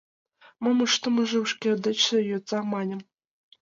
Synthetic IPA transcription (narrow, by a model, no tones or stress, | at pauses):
mɤ̆mɤ̆ʂt̪ɤ̆mɤ̆ʐɘ̆uʂkʲed̪ɘ̆t͡ɕɘ̆jot̪sɑmɑnʲɘ̆m